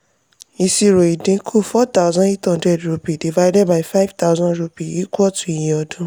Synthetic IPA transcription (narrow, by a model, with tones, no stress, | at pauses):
i˨si˧ɾo˨i˨dĩ˨˦kʰu˦˨fɔ˦ta˦ʊzã˦ne˦thɔ̃˧ndɾɛ˨dɹu˧pi˨di˨va˦jdɛ˦d̚ba˨i˨fa˦jvta˦ʊzɔ̃˦ndɾu˧pi˨i˦ku˦ɔ˦tũ˨i˨j̃ɛ̃˨ɔ˨dũ˨˦